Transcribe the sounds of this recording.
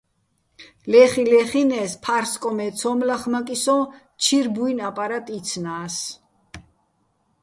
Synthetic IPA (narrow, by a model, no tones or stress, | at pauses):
lɛχilɛχinɛːspʰaɾskʼɔmɛt̪sʰɔmlaχmakʼisɔ̃ | t͡ʃʰiɾbuinapʼaɾat̪ʼit̪sʰnaːs